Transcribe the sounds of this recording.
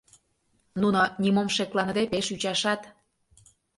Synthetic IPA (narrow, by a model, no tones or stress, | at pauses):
nunonʲimomʃeklɑnə̆d̪epeʃyt͡ɕɑʃɑt̪